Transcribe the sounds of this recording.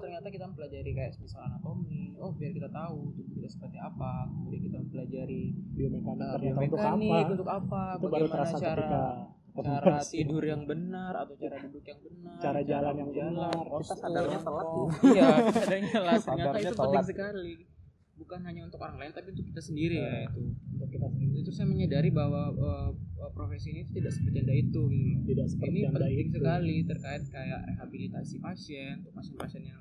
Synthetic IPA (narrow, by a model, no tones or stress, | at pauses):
t̪ərɲat̪akit̪ammbəlad͡ʒaɾikaja̰ʔsəmisalanat̪oniɔhbiarkit̪at̪aut̪ukit̪asə̥pərt̪iapaudakit̪ampəlad͡ʒaɾidiaməkaniərɲat̪aunt̪ukaniaunt̪ʊkapait̪ubaɾut̪əɾasakətt̪ika | kəaɾat̪idʊrjaŋbənara̰t̪awt͡ʃiɾadudʊkjaŋbənət͡ʃaɾad͡ʒalanjaŋbənarɔasaaɲat̪əlatjaadaɲəlasaɲaaɾiɲaup̪əlaŋs̬əkali | bukanɦaɲaunt̪ʊkoɾaŋlaɪnt̪apiunt̪ukit̪asəndiɾiait̪udakit̪asəndiɾit̪usajaməɲədaɾibawaəːəpɾofesiinit̪u̥t̪idaksəpət̪adait̪uɡinit̪idaʔsə̥pəiniaŋpədaiɪŋsəukalit̪ərkaɪt̪̚kajaʔreɦabilit̪asipasiɛnt̪upasɛnpasɛnjaŋ